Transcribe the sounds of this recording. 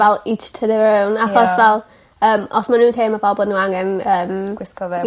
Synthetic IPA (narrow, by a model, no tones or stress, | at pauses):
vɛlˠɪt͡ʃtʰəðɪɪwnaxɔsvɛlˠ | əːmɔsmanuːntʰeːmabɔblˠnuːaŋɛnəːmɡwɪskɔvɛ